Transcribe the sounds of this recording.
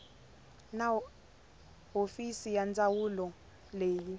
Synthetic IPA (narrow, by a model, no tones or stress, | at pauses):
na | ɦofisijand͡zʼawulɔ | leːji